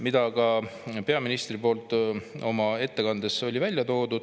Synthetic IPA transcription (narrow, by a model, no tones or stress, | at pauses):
mid̪ɑkɑpe̞ɑminist̪ripo̞ːlt̪ˑo̞mɑe̞t̪ːe̞kɑnd̪eso̞lʲivælʲjɑt̪o̞ːd̪ud̪̥